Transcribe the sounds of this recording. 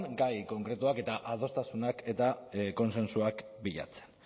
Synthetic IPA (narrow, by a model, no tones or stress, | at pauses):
nɡajko̞ŋkɾe̞t̪uake̞t̪aʔað̞o̞st̪asunake̞t̪ako̞nse̞nsuakbiʎa̰t͡se̞̥n